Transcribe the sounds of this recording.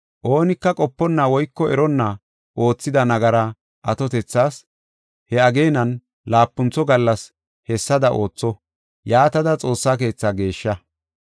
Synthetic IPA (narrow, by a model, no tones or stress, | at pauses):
ʔoːnɪkːɐkʼɔpːɔnːawɔjkːɔɛɾɔnːɐ | ʔo̞ːt͡sːɪd̪ɐnɐɡɐɾɐ | ʔɐt̪ɔt̪ɛt͡sːaːs | hɛɐɡe̞ːnɐn | laːpːʊnt͡sːɔɡɐlːɐs | hɛsːɐd̪ɐʔo̞̰ːt͡sːɔ | jaːt̪ɐd̪ɐt͡sʼo̞ːsːaːk̬e̞ːt͡sːaɡe̞ːʃːɐ